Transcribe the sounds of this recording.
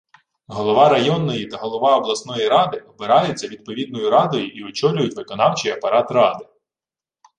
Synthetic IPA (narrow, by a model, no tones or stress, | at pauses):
ɦɔlˠɔʋɑɾɐjɔnːɔjit̪ɐɦɔlˠɔʋɑɔblˠɐsnɔjiɾɑd̪ɪɔbeɾɑjʊt͡sʲːɐʋʲid̪̚pɔʋʲid̪nɔjʊɾɑd̪ɔjiʔiɔt͡ʃɔlʲʊjʊtʲʋɪkɔnɑwt͡ʃɪjɐpɐɾɑt̪rɑd̪ɪ